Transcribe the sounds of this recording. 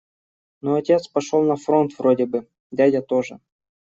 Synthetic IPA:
noɐtʲe̞t̪spɐʂolˠnɐfɾo̞nt̪vrodʲɪbɨ | dʲadʲɐt̪oʐɨ̰

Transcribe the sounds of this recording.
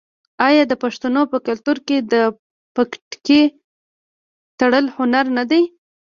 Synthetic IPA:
ɑjɑd̪əpaʂt̪anopəkalt̪uɾked̪ə | pakʈke | t̪aɽəlhʊnaɾnad̪aj

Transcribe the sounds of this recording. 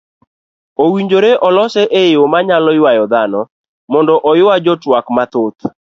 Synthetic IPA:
owiɲd͡ʒoɾeʔɔlɔsɛʔeɪomaɲalɔjʊwajɔd̪anɔ | mɔndɔʔɔjʊad͡ʒɔtwakmat̪ot̪̚

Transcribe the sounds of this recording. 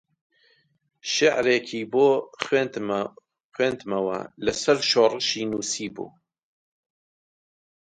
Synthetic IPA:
ʃɪʕɾekʰiːboːxwend̪ | xweːnd̪mɐwɐ̰lɐsɐɾʃoːrɨʃiːnuːsiːbṵː

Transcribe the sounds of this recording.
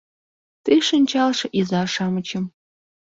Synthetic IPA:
tʰɨʂɨnt͡ʃʰalʂɐʔizaːʂamɨt͡ʃʰɪm

